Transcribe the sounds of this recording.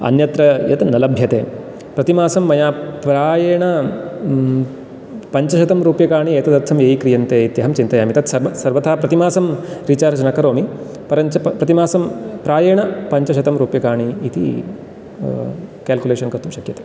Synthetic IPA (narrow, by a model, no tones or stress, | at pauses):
ɐ̰njɐt̪ɾɐjɐt̪ɐnɐlɐbʱjɐt̪eː | pɾɐt̪imaːsɐmːɐjaːpɾaːjeːɳɐ | pɐɲt͡ʃɐʃɐt̪ɐmɾuːpjɐkaːɳieːt̪ɐd̪ɐɾt̪ʰɐmjeːjikɾijɐnt̪eːit̪jɐɦɐmt͡ʃint̪ɐjaːmit̪ɐt̪sɐɾʋɐsɐɾʋɐt̪ʰaːpɾɐt̪imaːsɐmɾit͡ʃaːɾɐd͡ʒɐnɐkɐɾoːmi | pɐɾɐɐpɾɐt̪imaːsɐmpɾaːjɐːɳɐpɐɲt͡ʃɐʃɐt̪ɐmɾuːpjɐkaːɳiːt̪ḭ | kaːlkuleːʃɐnkɐɾt̪umʃɐkjɐt̪e̥ː